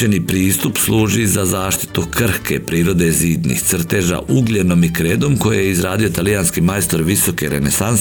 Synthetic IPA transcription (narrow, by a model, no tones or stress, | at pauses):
enipɾiːst̪upslˠuːʒizazaːʃt̪i̥t̪ukr̩hkepɾiːɾo̞d̪e̞ziːd̪nḭxt̪sr̩t̪eʒa̰ʔuɡlʲeno̞mikɾeːd̪o̞mko̞jejeizɾaːd̪io̞t̪alijanskimaest̪o̞ɾʋiso̞keɾḛnesan